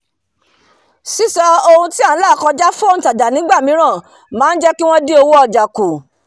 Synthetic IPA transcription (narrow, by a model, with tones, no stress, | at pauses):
si˦sɔ˧o˧hũ˧ti˦a˦˨n̩˦la˦˨kɔ˧d͡ʒa˦fɔ˦n̩˨ta˨da˨nĩ˨˦ɡ͡ba˦˨mĩ˨˦ɾ̃ã˦˨ | mãː˨˦n̩˦d͡ʒɛ˦ki˦w̃ɔ̃˦de˦o˧wo˦ɔ˧d͡ʒa˨ku˨